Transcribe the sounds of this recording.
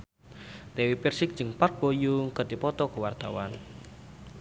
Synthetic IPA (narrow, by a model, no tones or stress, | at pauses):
t̪ewipɛrsɪk̚d̥d͡ʒəŋpark̚b̥ojuŋkədipɔt̪ɔkəwart̪a̰wan